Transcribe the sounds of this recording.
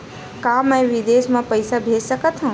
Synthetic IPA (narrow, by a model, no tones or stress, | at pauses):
kaːmɛ̃j̃ʋid̪eːsmãpəjsabʱeːd͡ʒsəkət̪ʰɦãː